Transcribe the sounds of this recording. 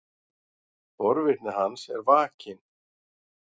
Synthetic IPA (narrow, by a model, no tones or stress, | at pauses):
fɔɾvɪt̪nɪɦansɛɾvaːcɪn